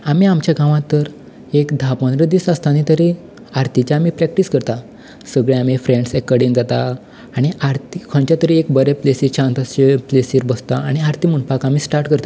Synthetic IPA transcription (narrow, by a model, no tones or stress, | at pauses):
amiamt͡ɕjaɡãʋãt̪ːəɾ | ekd̪ʱapə̃nɾəd̪isast̪anit̪əɾi | aɾt̪ʰit͡ɕaːmipɾɛk̚ʈiskəɾt̪a | səɡɭẽamifɾẽɳɖsɛkːəɽĩnd͡zat̪aː | ɽ̃iaɾt̪ikʰə̃ɳt͡ɕjat̪əɾiekbəɾeplesiːɾt͡ɕʰãnt̪ast͡ɕeplesiɾbəst̪aa̰ɽ̃iaɾt̪imuɳpakamiːsʈaɾʈkəɾt̪a